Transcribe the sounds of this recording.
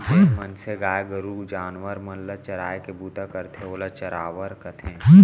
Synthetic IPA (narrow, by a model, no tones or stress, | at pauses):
emɐnseɡaːjɡəɾuːd͡ʒaːnʋəɾmɐnlat͡ʃɐɾa̰ːjkebuːt̪akɐɾt̪ʰeoːlat͡ʃɐɾaːʋəɾkɐt̪ʰẽː